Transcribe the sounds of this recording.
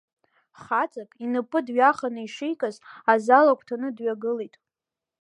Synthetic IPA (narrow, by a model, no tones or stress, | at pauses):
χat͡sʼakʼinɨpʼɨdɥaχanɨiʂejkʼazazalakʷʰʼtʰanɨdɥaɡɨlitʼ